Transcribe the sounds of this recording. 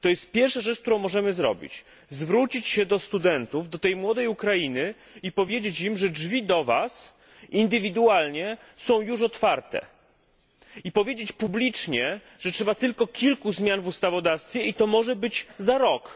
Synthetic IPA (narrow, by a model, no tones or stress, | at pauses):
t̪ɔjɛst̪̚pʲjɛɾfʂaʐɛt͡ʂkt̪uɾɔ̃w̃mɔʐɛmɘzɾɔ̰bʲḭt͡ɕ | zvɾut͡ɕit͡ɕɕɛd̪ɔst̪ud̪ɛnt̪uvd̪ɔt̪ɛjmwɔd̪ɛjukɾajinɘ | ipɔvʲjed͡ʑet͡ɕimʐɛd͡ʐvʲid̪ɔva̰s | ind̪ɘvʲid̪ualɲɛ | sɔ̃w̃juʂ̬ɔt̪faɾt̪ɛ̰ | ipɔvʲjed͡ʑet͡ɕpublʲit͡ʂɲɛ | ʐɛtʂɛbat̪ɘlkɔkʲʰilkuzmʲjanvust̪avɔd̪ast̪fʲjɛit̪ɔmɔʐɛbɘd͡ʑzaɾɔk